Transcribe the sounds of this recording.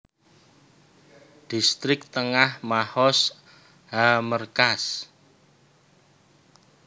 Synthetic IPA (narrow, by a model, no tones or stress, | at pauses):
d̪̥ist̪ɾɪk̚t̪əŋahmahɔs | ɦamərkas